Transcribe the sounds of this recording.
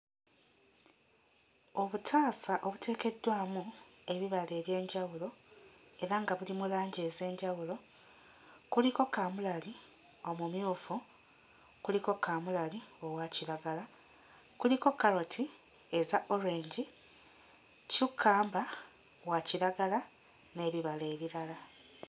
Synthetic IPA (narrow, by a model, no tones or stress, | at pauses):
o̞βutʰaːsaʔo̞βutʰe̞ːke̞dːwaːmueβiβale̞ːβje̞ːɲɟawulo̞e̞ɾaŋɡaβulimulaːɲɟe̞ːze̞ːɲɟawulo̞ | kuliko̞kaːmulali | o̞mumjuːfu | kuliko̞kaːmulalio̞waciɾaɡala | kuliko̞kːaɾotʰi | e̞zaʔo̞ɾeːɲɟi | cukʰːaːmba | waciɾaɡala | ne̞ːβiβale̞ːβiɾala